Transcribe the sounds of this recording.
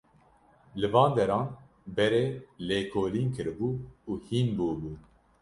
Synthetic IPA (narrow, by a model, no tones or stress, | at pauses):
lɨvɑːnd̪ɛɾɑːn | bɛɾeːleːkʰoːliːnkʰɨɾɨbuːuːhiːnbuːbuː